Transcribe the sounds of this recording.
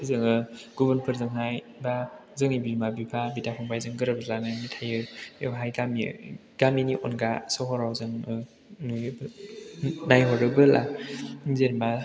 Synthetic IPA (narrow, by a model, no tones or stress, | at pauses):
zɯŋɯɡubɯnpʰɯɾzɯŋɦaj | bazɯŋibimabipʰabitapʰaŋbʰajzɯŋɡɯɾɯbəlananitʰajɯɦajɡami | ɡ̥aminiʔonɡasɔɦɔɾawzɯŋ | nujb | najɦɔɾɯbɯlʔa | zeɾma